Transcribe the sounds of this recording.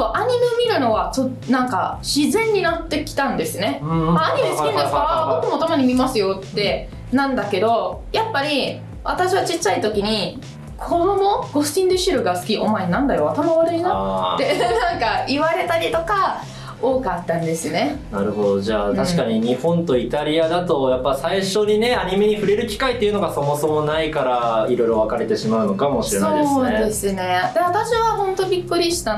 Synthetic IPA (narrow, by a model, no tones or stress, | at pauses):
soʔaɲ̟imemʲiɾɯ̟no̞βat͡ɕot | nãŋka̰ɕizẽ̞ɲ̟ːinat̪ːe̞kʲi̥t̪ãnd̪e̞sɨne̞aːɲ̟imesɨkʲind̪esoβamot̪ːomo̞t̪omaɲ̟imʲimasɨjo̞t̪ːe̞ | nãnd̪ake̞d̪o̞japːaɾʲi | βat̪aɕiβat͡ɕit͡ɕːait̪o̞kʲiɲ̟i | kʰo̞d̪o̞mo̞ɡ̥o̞sɨ̥tʲĩnd̪eɕiɾɯ̟ɡasɨ̥kʲiʔomaenãnd̪ajo̞at̪amaβaɾɯ̟inoenãŋkaiβaɾe̞t̪aɾʲit̪o̞ka | oːkat̪ːãnd̪e̞sɨne̞naɾɯ̟ho̞d̪o̞ʑaːt̪aɕi̥kaɲ̟iɲ̟ihõ̞nt̪o̞it̪aɾʲiad̪at̪o̞japːasaiɕo̞ɲ̟ine̞aɲ̟ime̞ɲ̟iɸɯ̟ɾe̞ɾɯ̟kʲi̥kait̪ːeiɯ̟no̞ɡaso̞mo̞so̞mo̞naikaɾaiɾo̞jɾo̞β̞akaɾe̞t̪e̞ɕimaɯ̟no̞kamo̞ɕiɾe̞nsaoojd̪eed̪e̞sɨne̞d̪e̞βat̪aɕiβaɦõ̞nt̪o̞bʲikːɯ̟ɾʲiɕi̥t̪a